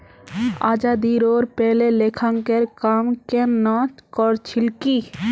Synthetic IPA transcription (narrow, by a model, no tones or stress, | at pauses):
a̰ːd͡ʒaːd̪iɾoːɾpɛːleleːkʰaŋkeɾkaːmkenaːt͡ʃkɔɾt͡ʃʰɪlki